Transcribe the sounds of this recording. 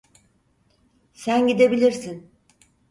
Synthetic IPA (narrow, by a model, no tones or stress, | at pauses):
sænɟid̪e̞bilʲiɾsin